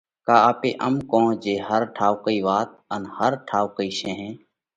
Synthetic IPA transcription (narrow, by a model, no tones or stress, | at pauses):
kaːaːpeːʔəmkõːd͡ʒeːɦəɾʈʰaːʋkəiːʋaːt̪̚ənhəɾʈʰaːʋkəiːʃẽːɦẽː